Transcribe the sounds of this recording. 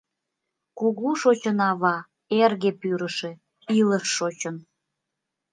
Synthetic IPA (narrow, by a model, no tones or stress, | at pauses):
kuɣuʃot͡ɕənɑβɑ | erɣepyɾəʃe | iləʃːot͡ɕən